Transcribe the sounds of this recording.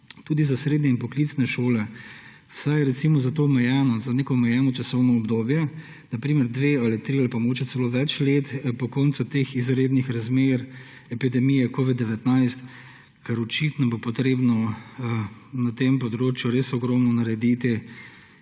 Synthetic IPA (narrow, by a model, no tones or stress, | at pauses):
t̪uːd̪izasɾed̪nɲɛinpɔklit̪snɛʃoːlɛ | wsajɾɛt̪simɔzat̪oːɔmɛjɛːnɔzaneːkɔmɛjɛːnɔt͡ʃasɔwnɔɔbd̪oːbjɛ | napɾiːmɛɾd̪ʋealit̪ɾialipamɔɡoːt͡ʃjɛt̪ɛloːʋɛt͡ʃlet̪pɔkɔːnt̪sut̪exizɾeːd̪nixɾazmeɾ | ɛpid̪ɛmijɛkoːʋid̪̚ːɛʋɛt̪naɪst̪ | kaɾɔt͡ʃit̪nɔbopɔt̪ɾeːbnɔ | nat̪empɔd̪ɾoːt͡ʃjuɾeːsɔɡɾɔmnɔnaɾɛd̪it̪i